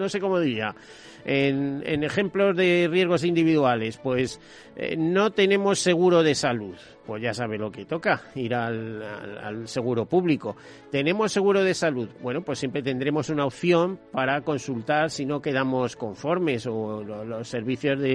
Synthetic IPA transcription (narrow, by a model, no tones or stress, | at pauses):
no̞se̞ko̞moðiɾia | enḛne̞xẽ̞mplo̞zðe̞rje̞zɣo̞sind̪iβiðuale̞spwe̞s | no̞t̪e̞nẽ̞mo̞sːe̞ɣ̞uɾo̞ð̞e̞saluð | pwe̞zʝasaβ̞e̞lo̞ke̞t̪o̞kaiɾalaa̰lse̞ɣ̞uɾo̞puβliko̞ | t̪e̞nẽ̞mo̞sːe̞ɣ̞uɾo̞ðe̞saluðbwe̞no̞pwesːjempɾe̞t̪e̞nd̪ɾe̞mo̞sunaopθjo̞mpaɾako̞nsult̪aɾsino̞ke̞ðamo̞sko̞ɱfo̞ɾme̞so̞lolo̞sːe̞ɾβ̞iθjo̞zðe